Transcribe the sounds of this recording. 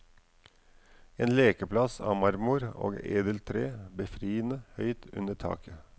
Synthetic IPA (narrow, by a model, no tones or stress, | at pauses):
eːnleːkəpʰlɑsɑ̰ːmɑɾmʊɾo̰ːɡḛːd̪əlt̪ʰɾeːbəfɾiːənəhœʏt̪ʉ̰nəʈʰɑ̰ːkə